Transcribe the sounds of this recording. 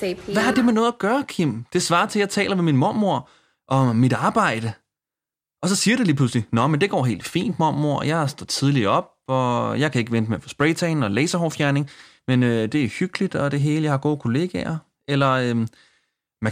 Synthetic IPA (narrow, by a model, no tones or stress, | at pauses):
ʋæhɑd̥e̝menɔ̽ːð̩ˠɐɡ̥ɶːɐkʰim̰d̥e̝sʋɑ̈ːt͡sʰe̝ljɑɪt͡sʰɛ̰ːlɐʋe̝minmɔɐ̰mo̝ɐ̰ | ʔɒ̽ːid̥ɑ̈ːb̥ɑ̈ɪ̰d̥ə | ʔɒ̽sɒ̽siːɐɾeliːpʰluslinɒmend̥e̝ɡ̥ɒ̰ːɦe̝̰ːld̥fḭːnd̥mɔmo̝ɐ̰jɑ̈ɪsd̥ɒ̰t͡sʰið̞ˠliɒ̽b̥̚ɒjɑ̈ɪkʰæe̝ɡəʋend̥meɐfʰɒ̽sb̥ʁɛɪt͡sʰɛɪnɒ̽leɪsɐɦɒfjæɐne̝ŋ | menød̥e̝æhyɡ̥əlid̥ɒ̽d̥e̝ɦe̝ːləjɑ̈ɪhɑ̈ɡ̥o̝̰ːkʰo̝le̝ːɡ̥ɛɐ | elɐø | mæ